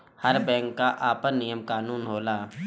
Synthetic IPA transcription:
həɾbɛ̃ːŋkːaʔaːpənːɪjəmkaːnuːnɦoːlaː

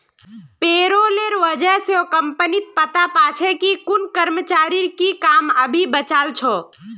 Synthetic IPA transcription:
peːɾoleɾʋəd͡ʒəɦseokəmpənit̪̚pət̪apat͡ʃʰekikʊnkəɾmət͡ʃaːɾiɾkikaːməbʱibət͡ʃaːlt͡ʃʰo

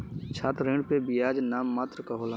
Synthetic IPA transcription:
t͡ʃʰaːt̪ɾẽːɳɖpebijaːd͡ʒnaːmːaːt̪ɾəkɐɦoːla

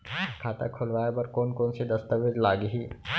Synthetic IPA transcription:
kʰaːt̪a̰kʰʊlʋaːjebɐɾkoːnkoːnsed̪ɐst̪əʋɪd͡ʒlaːɡɦiː

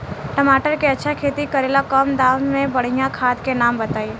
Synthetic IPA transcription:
ʈəmaːʈəɾkeɐtːʃʰakʰeːt̪ikəɾeːlakəmd̪aːʋmẽbɐɽ̤ijãkʰaːt̪kenaːmbɐt̪aːi

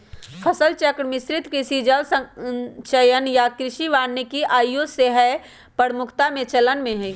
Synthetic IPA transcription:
pʰɐsəlt͡ʃəkɽmɪsɾɪt̪kɪsid͡ʒəlsə̃t͡ʃəjənjakɾɪʃiʋaːnːekiʔaːjoseɦə | pəɾmʊkʰt̪amẽt͡ʃɐlənmẽɦɛ̃

